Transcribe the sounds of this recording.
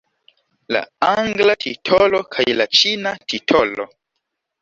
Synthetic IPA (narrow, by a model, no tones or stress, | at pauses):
la̰aŋɡlatʰitʰolokʰajlat͡ʃinatʰitʰolo̰